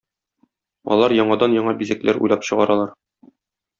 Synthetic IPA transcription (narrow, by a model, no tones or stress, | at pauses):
ɒ̰lˠɑɾjɒɴɑd̪ɑnjɒɴɑbizæklæɾṵjlˠɑpɕɤ̆ʁɑɾɑlˠɑɾ